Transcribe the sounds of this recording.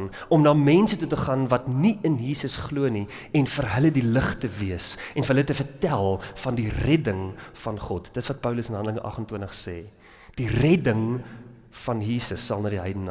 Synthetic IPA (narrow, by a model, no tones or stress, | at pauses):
n | ɔmnɑːmɛnsətutəχɑːnvɐtniənjiːsəsχluəni | ɛnfərɦələdiləχtəviəsɛnfəɦələtəfərtælˠfɐndirɛdəŋfɐnχɔtd̥ətəsvɐt̚pœwləsənɦɐndələŋəʔɐ̰χəntwuəntəχsɛ̰ː | d̥irɛdəŋ | fɐnjiːsəsːɐlˠnɑːdiɦɛjdənː